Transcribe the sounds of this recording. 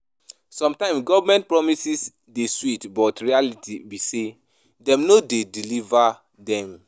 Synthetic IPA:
sɔ̃mtãɪ̃msɡɔvamɛ̃nt̚pɹɔmisis | deswitbɔtɹialitʰibise | dɛ̃mnodediliva | dɛ̃m

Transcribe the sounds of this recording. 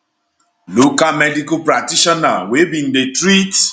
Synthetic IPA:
lokamɛdikopɾatiʃanawebĩn̩ɖetɾit

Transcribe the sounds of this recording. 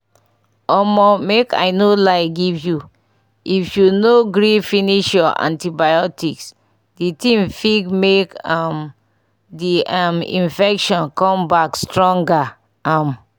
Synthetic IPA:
ɔmɔmeka̰ɪnolaɪɡivju | ifjunoɡɾifiniʃjɔʔã̰ntibajɔtiks | ditĩmfikmekam | diamḭ̃nfɛkʃɔ̃nkɔ̃mbakstɹɔ̃ŋɡa | am

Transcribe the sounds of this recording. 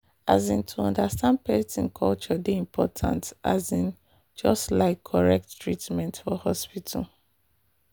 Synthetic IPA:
azĩntʰuɔ̃ndastãnd̚pɛsĩnkʰɔlt͡ʃɔdeĩmpʰɔtʰã̰ntazĩn | d͡ʒɔstlaɪkʰːɔɹɛk̚ttɹitmɛ̃ntfɔhɔspitʰa̰l

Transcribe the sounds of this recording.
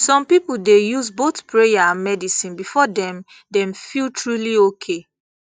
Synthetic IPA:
sɔ̃mpipuldejuzbotpɹejaãnmɛdisĩnbifɔdɛ̃m | dɛ̃mfiltɹuliokʰe

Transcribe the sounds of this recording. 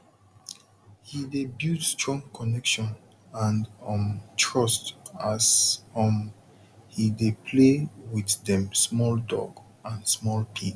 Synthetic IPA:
hidebjutstʰɹɔ̃ŋkʰɔnɛkʃɔ̃n | ãndɔ̃mtʰɹɔstasɔm | hidepʰlewiðdɛ̃msmɔldɔ̰ɡ | ãnsmɔlpʰi

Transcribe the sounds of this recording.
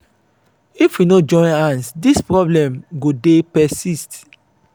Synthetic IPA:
ifwinod͡ʒɔ̃ɪ̃nãnsdispɹɔblɛ̃mɡodepɛsist

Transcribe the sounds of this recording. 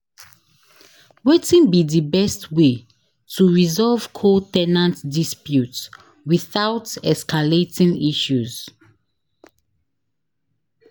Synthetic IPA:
wetĩnbidibɛstwe | tʰuɹizɔlv̥kʰotɛnãntdispjut | wiθaʊtɛskʰaletĩŋiʃuz

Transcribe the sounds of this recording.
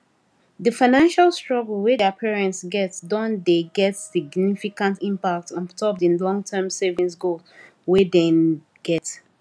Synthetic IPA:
ðəfãɪnãnʃalˠstɹɔɡəlwɛdapʰɛɹɛ̃ntsɡɛtdɔ̃ndeɡɛtsiɡnifikãntĩmpak̚tɔ̃ntʰɔp̚dĩnlɔ̃ŋtʰɛmsɛvĩnsɡol | wɛdɛ̃n | ɡ̥ɛt

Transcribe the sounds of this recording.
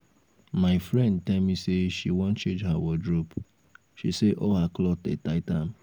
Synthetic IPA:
maɪfɹɛ̃nd̚tɛlmiseʃiwɔ̃nt͡ʃẽnd͡ʒɦawɔdɹop | ʃiseʔɔɦaklɔtḛtaɪtam

